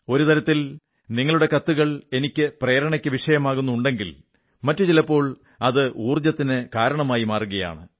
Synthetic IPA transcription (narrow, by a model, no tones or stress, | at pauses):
o̞ɾut̪ɐɾɐt̪ːil | niŋːɐɭuɽe̞kɐt̪ːuɣɐɭe̞nikʲːɨpreːɾɐɳɐkʲːɨʋiʂɐjɐmaːɣunːuuɳɖe̞ŋɡil | mɐtːɨt͡ɕilɐpːo̞ːɭ | ɐðɨʔuːrd͡ʑɐt̪ːinɨkaːɾɐɳɐmaːjimaːruɣɐja̰ːɳɨ